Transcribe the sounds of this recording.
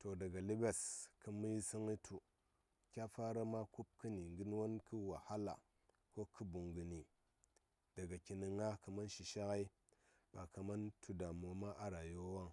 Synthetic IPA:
to˨da˨ɡa˨li˦be˦skə˨˦mu˦ji˦si˦ŋi˦tʰu˨ | kʲa˦fa˦ɾa˦ma˦ku˦p̚ki˦ni˨ŋɡi˦n˦wa˦nki˦wa˨ha˦la̰˨ | ko˦kʰi˦bu˨ŋɡu˨ni˨ | d̥a˨ɡa˨ki˨ni˨ŋa˦kə˨ma˦nʃi˨ʃa˦ka˦i˦ | b̥a˨ka˨ma˦ntʰu˦da˨mo˨ma˦ʔa˦ɾa˨jo˦wa˦ŋ

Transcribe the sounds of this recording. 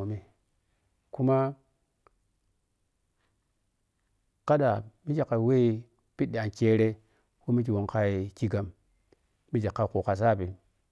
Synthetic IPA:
o˨mi˦ | ku˦ma˦ | ka˦ɗa˨mi˦t͡ʃa˨kːa˨we˦i˨ | pi˦ɗːi˨a˨nt͡ʃe˦ɾe˦ | ko˦mi˦k̬i˨wo˨ŋka˦i˨ki˦ɡa˦m | mi˦d͡ʒe˨kːa˦˨ku˨ka˨s̬a˦˨pi˨

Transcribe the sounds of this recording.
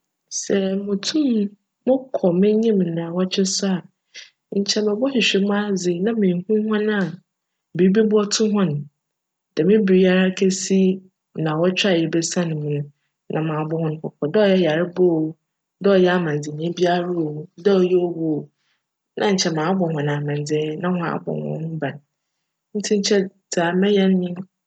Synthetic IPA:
sɛ˨mʊ̃˨tʰũ˦m | mʊ̃˦kʰɔ˨mɪ̃˦ɲĩ˦m˨nã˨wɔ˦t͡ɕʰᶣɪ˦sʊ˦a˨ | ɲ̩˨t͡ɕʰɛ˨mɛ˨bɔ˦hɪ˨ɕᶣɪ˨mʊ̃˦a˦zɪ˨nã˦mẽ˨hũ˦hɔ̃˦nã˦˨ | bi˨˦bi˦bʊ˦ɔ˦tʰʊ̃˦ɦɔ̃˦nʊ̃˨ | d̥ɛ˨mɪ̃˦bi˨ɾi˦a˨ɾa˦kʰe˦si˦ | nã˨wɔ˦t͡ɕᶣa˦˨jɛ˨bɛ˦sã˦nɪ̃˨mʊ̃˨nʊ̃˦ | nʔã˨mãː˨bɔ˦hɔ̃˦n˦kʰɔ˨kʰɔ˨dɔ˦ɔ˦jɛ˦ja˨ɾɪ˦bo˦o˨ | dɔ˦ɔ˨jɛ˦a˦mã˨n˨d͡zɪ˨nĩ˨˦bi˦a˦ɾu˦o˨dɔ˦ɔ˨jɛ˦ɔ˦wo˨ | nʔã˦ɲ̩˨t͡ɕʰɛ˨mãː˨˦bɔ˨hɔ̃˨nã˨mã˨n˨d͡zɪ˨ɛ˦nã˦hɔ̃˦a̰˨˦bɔ̰˨hɔ̰̃˦nʊ̃˦ba˨n˨ | n̩˦tʰĩ˦ɲ˦t͡ɕʰɛ˦daː˨mɛ̃˦jɛ˦nː˦ɪ̃˦

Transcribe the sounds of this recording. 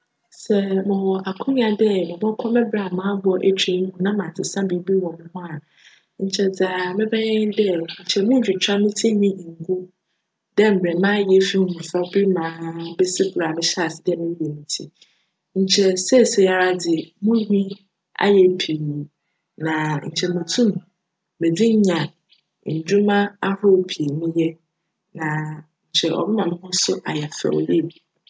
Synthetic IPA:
sɛ˨mɪ̃˨wɔ˨ʔa˨kʰʊ̃˦nɪ̃˦a˨dɛ˦mɪ̃˨bɔ˦kʰɔ̃˦mɪ̃˦bɾa˨mãː˦bʊ˦ɔ˦ʔe˦t͡ɕʰe˦ŋ˦hũ˨nã˦mã˨tʰɪ˨sã˦bi˨˦bi˦wɔ̃˨mɪ̃˦hʊ̃˦a˨ | ɲ̩˨t͡ɕʰɛ˨d͡za˨mɪ̃˦bɛ˦ɲɛ̃˦ɪ̃˦dɛ˦ɲ̩˨t͡ɕʰɛ˨mʊ̃˦d͡ʑᶣi˨t͡ɕʰᶣa˦mĩ˦tʰi˦ɲĩ˦ɲĩ˨ŋ̩˦ɡu˦ | dɛ˦m̩˨bɾɛ˨mãː˦jɛ˦fi˦m̃˨mʊ̃˨fa˦bi˦mãː˨˦bɛ˦si˦bʊ˨ɾa˨mɪ̃˦ɕa˨sɪ˨dɛ˦mɪ̃˦e˨mĩ˨tʰḭ˦ | ɲ̩˨t͡ɕʰɛ˦sɛ˦˨sɛ˨ja˦˨ɾa˦dɪ˨mũ˦hᶣĩ˦ | a̰˦jɛ˦pʰi˨ | nã˨ɲ̩˨t͡ɕʰɛ˨mũ˨tʰũ˦m̃˨ | mẽ˨di˦ɲ˦ɲã˨ | ɲ̩˨d͡ʑᶣu˦mã˦a˦hɔ˦˨pʰi˨nĩ˦jɛ˦ | nã˨ | ɲ̩˨t͡ɕʰɛ˨ʔɔ̰˨bɪ̃˦mã˨mɪ̃˦hʊ̃˦sʊ˦ʔa˨jɛ˨fɛ̰˨ɔ̰˨je˦˨bi˨

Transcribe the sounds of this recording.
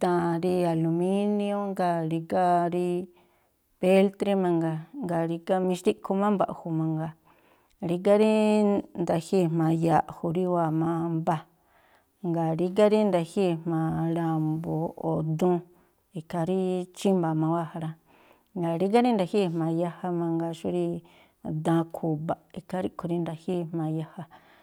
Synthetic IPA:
t̪ã˧˨ɾi˧a˧lu˧mĩ˦nĩ˧˦õ˦ŋɡa˧ɾi˧ka˦ɾi˧ | pe˦lt̪ɾi˦mã˧ŋɡa˧˨ŋɡa˨ɾi˧ka˧mĩ˧ʃt̪i˦kʰu˧mã˦mba̰˧ʔhu˧mã˧ŋɡa˧˨ | ɾi˧k̬a˦ɾi˦nd̪a˧hi˦˨mã˧˨ja˧ʔhu˧˨ɾi˦wa˧mã˧mba˧ | ŋɡa˨ɾi˧k̬a˦ɾi˦nd̪a˧hi˦˨mmã˨ɾa˧mbo˨o˨d̪ũ˦ | i˨kʰa˧ɾi˦t͡ʃi˦mba˨mã˧wa˦˨ha˧ɾã˧ | ŋɡa˨ɾi˧˦ɡ̬a˦ɾi˦nd̪a˨˧hi˦˧˨mã˨ja˧ha˧mã˧ŋɡa˧ʃu˦ɾi˧ | d̪ã˧kʰu˧ba˨ʔi˧ka˧ɾi˦kʰu˧ɾi˧nd̪a˧hi˦˨mmã˧ja˧ha˧

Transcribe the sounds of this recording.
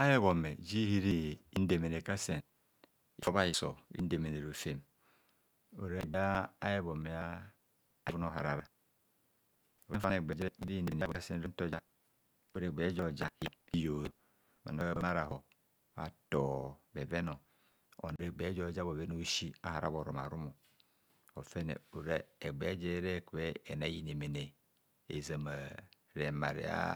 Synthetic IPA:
a˦je˦βo˨me˨d͡ʒi˦hi˦ɾi˦n̩˦de˨me˨ne˨ka˦se˨n | ḭ˨fo˦ba˦ji˨so̰˨ḭ˦n̩˦de˨me˨ne˨ɾo˨fe˦m | o̰˨ɾe˦e˨da˦a˦je˦bo˨mːe˨a˦ | a˦vu˦no˦˨ɦa˨ɾa˨ɾa˨ | o˨ɾe˦fa˦ne˨ɡ͡be˨d͡ʒi˦ɾe˦bi˦de˨e˨˦bo˨˦se˦n˦ɾe˦to˦d͡ʒa˦ | o˨ɾe˨ɡ͡be˨˦d͡ʒo˦˨d͡ʒa˦i˦i˦jo˨ | ma̰˨n˨o˦ma˦ɾa˨ɦo˨ | a̰˨to˨be˨ve˦no˨ | o̰˨n˨ɾe˨ɡ͡be˨˦d͡ʒo˦˨d͡ʒa˦bo˨ve˦no˦ʃi˦a̰˦ha˨ɾa̰˦bo˨ɾo˨ma̰˨ɾu˦mo˨ | o˨fe˦nḛ˨u˨ɾe˦e˨ɡ͡be˨˦d͡ʒe˦ɾe˦˨kwe˦e˨na˨˦ji˦˨ne˨me˨ne˨ | ḛ˨za˨ma˨ | ɾe˨ma˨ɾḭ˨a̰˦

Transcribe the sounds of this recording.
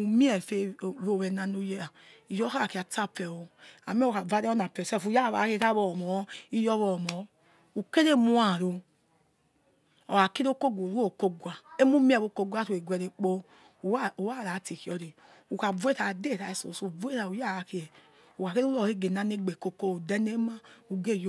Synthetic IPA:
u˨mi˦ɛ˨fe˨o˦˨βɛ˨na˧no˧je˦a˨ | i˨jɔ˦ka˦a˨ki˨a˨ta˦pɛ˨o˧a˨mɛ˦o˨ka˨va˦ɾɛ˦ɔ˦na˨pɛ˨sɛ˦˨fu˨˦ja˦˨βa˨˦ke˧˨ta˦βɔ˧˨mɔ˨˦i˦jɔ˦βɔ˨mɔ˨˦ | u˨ke˦ɾe˦mu˦a˨ɾo˧ | ɔ˨wa˨ke˦ɾo˦ko˦ɡʷo˨ɾo˦˨ko˦ɡʷa˨e˦mu˦m˦ɛ˦˨βo˨˧˨ko˧ɡʷa˦to˨e˨ɡʷɛ˨ɾe˨k͡po˧˦˨ | u˨wa˦˨ɾa˨˦ti˨ki˨ɔ˨˧ɾe˨ | u˨ka˨ve˦ta˨de˦˨ɾa˨e˨so̰˨su˨ve˦ɾa˨u˨ja˦˨a˨ki˧ɛ˨ | u˨ka˨ke˦o˦ɔ˦˨e˦˨ɡe˨na˨ne˦˨ɡ͡be˨ko˧ko˦o˨dɛ˦ne˦ma˦u˨ɡe˦˨j

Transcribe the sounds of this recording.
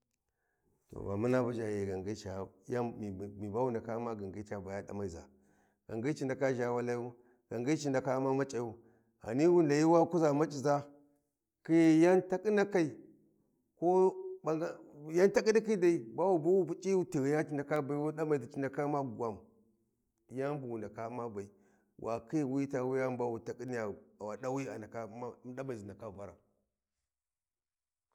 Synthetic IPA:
to̰˨ba̰˨ma˦na˦ba˦d͡ʒa˨ji˨ɡa˨ŋɡi˦t͡ʃa˨ja˦˨mi˨ba˦wu˦˨nda˨ka˦ma˦ɡa˨ŋɡi˦t͡ʃa˨ba˨ja˦ɗa̰˨˦ma˨i˨za̰˨ | ɡ̥a˨ŋɡi˦t͡ʃi˨nda˨ka˦ʒa˨wa˦la˦i˦u˦ | ɡ̥a˨ŋɡi˦t͡ʃi˨nda˨ka˦ma˦ma˦t͡ʃʼa˨˦u˦ | a̰˨ni˦wu˦nla˨ji˦wa˦ku˦za˨ma˦t͡ʃʼi˨za˦ | ki˦jja˦nta˦ki˦na˦ka˨i˨ | ko˦ba˨˦ja˦nta˦ki˦di˦ki˦da˨i˨˦ba˦wu˦˨bu˦wu˦pu˦t͡ʃʼi˦u˦ti˨ɣi˨ja˦ti˨nda˨ka˦ba˨i˦wu˦ɗa˦ba˨i˨di˨t͡ʃi˨nda˨ka˦ma˦˨ɡʷa˨m˨ | ja˦n˦bu˨wu˨nda˨ka˦ma˦ba˨i˨ | wʔa̰˨ki˦˨wi˦ta˨wu˦ja˦m˦ba˦wu˨ta˨kʼi˦ni˦ja˨a˨wa˨ɗa˦wi˦a̰˨na˨ka˦ɗa˦ba˨i˨zi˨nda˨ka˦˨va˦ɾa̰˨

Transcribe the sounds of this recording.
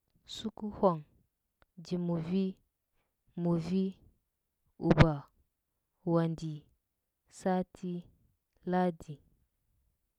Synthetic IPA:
su˦ku˦hʷa˨ŋ | d͡ʒi˨mu˨vi˦ | mu˨vi˦ | u˨ba˨ | wa˨ndi˨ | sa˦tʰi˦ | la˦di˨

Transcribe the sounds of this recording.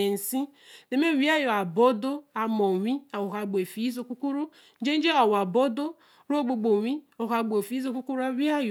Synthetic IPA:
e˨n̩˨si˦de˨me˦wi˦a˦jo˨a˨bo˦do˦a˨mo˨ŋʷi˦a˨wo˨ɦa˨ɡ͡be˨fi˨˦zo˦ku˦ku˦ɾu˦ | n̩˦d͡ʒe˦n̩˦d͡ʒe˦ɔ˨wa˨bo˦do˦ | ɾɡ͡bo˨ɡ͡bo˨wʷi˦o˨ɦa˨ɡ͡bfi˨˦zo˦ku˦ku˦ɾu˦a˦wi˦a˦j

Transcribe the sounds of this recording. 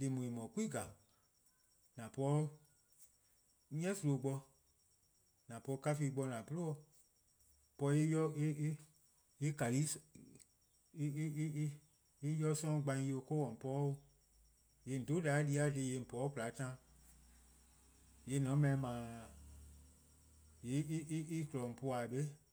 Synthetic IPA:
le˧˨mõ˨ẽ˨mɔ̃˨ku˦i˦ɡa˨ | nã˨pɔ˨˦ | ɲɛ̃˦su˧lo˨˧˨ɡ͡bɔ˧ | nã˨pɔ˧˦ka˦fi˧ɡ͡bɔ˧˦nã˨pu˦lo˦ɔ˧˨ | pɔ˧˦e˦jɔ˦e˦ | e˦ka˨li˨˦ | e˦jɔ˦sɔ̃˦ɡ͡bã˧ĩ˧˦˧o˧ko˦wɔ̃˨m̩˨pɔ˦o˧ | je˨n̩˨do˨˦da˨˦di˧˦a˨˦de˧˨je˧˨m̩˨pɔ˨˦ku˨la˨˦tã˦ | je˨˦nɔ̃˨˦mɛ̃˨˧˦mã˨ | je˨˦i˦i˦klɔ˨m̩˨pu˧a˨be˦

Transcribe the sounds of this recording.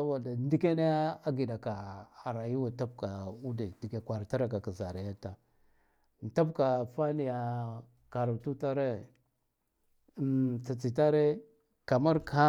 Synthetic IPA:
a˦wa˨da˨n˦di˦ke˦ne˦a˦ɡi˨da˨ka˨a˨ɾa˨ji˦wa˨ta˦b̚ka˨u˦de˨di˨ɡe˨kʷa˨ɾta˦ɾa˨ka˨ka˨za˨ɾa˨ja˦ta˨ | n˨ta˦pka˨fa˦ni˨ja˨ | ka˨ɾu˨tu˦ta˦ɾe˦ | t͡sa˨t͡si˨ta˦ɾe˦ | ka˨ma˦ɾka˦

